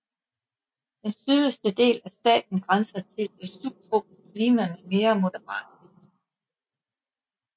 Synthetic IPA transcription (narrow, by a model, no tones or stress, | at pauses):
d̥ensyəsd̥əd̥e̝̰ːlæsd̥ɛ̰ːd̥n̩ɡ̥ʁɑnsɐt͡sʰe̝lʋesub̥̚t͡sʰʁo̝̰ːb̥iskʰliːmænəme̝ːɐmo̝d̥əʁɑ̰̈ːd̥id̥